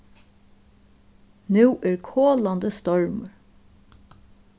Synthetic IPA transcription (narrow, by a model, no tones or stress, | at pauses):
nʉːʔæːɹkʰoːland̪əst̪ɔɹməɹ